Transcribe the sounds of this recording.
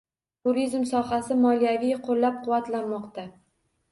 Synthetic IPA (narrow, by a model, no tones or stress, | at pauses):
t̪ʰuɾizmsɒhasɪmɒljavijqʰolːap̚qʰʊwat̪lanmɒqt̪a